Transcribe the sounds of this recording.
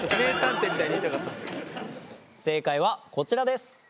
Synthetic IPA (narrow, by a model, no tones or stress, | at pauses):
nẽkãnt̪emʲit̪aiɲiit̪akat̪ːad̪esk | se̞ːkaiβako̞t͡ɕiɾad̪e̞sɨ̥